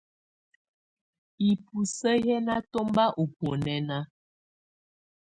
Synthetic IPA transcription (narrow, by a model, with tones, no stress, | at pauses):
i˨pu˨sə˦jɛ˦na˦to˦mba˦ʔu˨po˨nɛ˦na˦